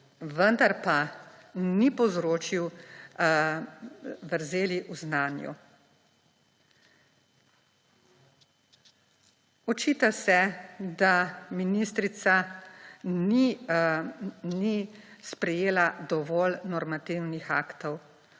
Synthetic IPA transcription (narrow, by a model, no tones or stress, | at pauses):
ʋənd̪aɾpa | nipɔzɾoːt͡ʃiw | ʋəɾzeːliʔuznaːnjṵ | ɔt͡ʃiːt̪asɛd̪aminist̪ɾit̪sa | ni | nispɾɛjeːlad̪ɔʋɔlnɔɾmat̪iwnixaːkt̪ɔw